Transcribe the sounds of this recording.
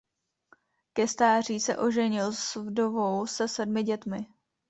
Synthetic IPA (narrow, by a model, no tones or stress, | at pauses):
kɛst̪aːr̝iːsɛ̰ʔo̞ʒɛɲɪlsvdovowsɛsɛdmɪɟɛt̪mɪ